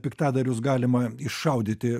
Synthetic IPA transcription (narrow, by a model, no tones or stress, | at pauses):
pʲɪkt̪ɑːd̪ɐɾʲʊsɡɑːlʲɪmɐɪʃʃɐʊd̪ʲɪt̪ʲɪ